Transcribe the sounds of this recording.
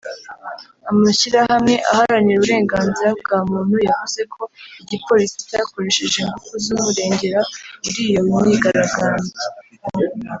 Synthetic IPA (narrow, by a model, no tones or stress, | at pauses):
amaʃiɾahamŋe̞ʔahaɾaɲiɾuβuɾe̞ːŋɡaːnziɾab̚ɡaːmuːn̥hujavuze̞kʰo̞iɟipo̞ːɾisi̥cajako̞ɾe̞ʃeʒeŋɡukuzuβuɾe̞ːɲɟe̞ɾauɾiːjoumɲiɡaɾaɡaːɲde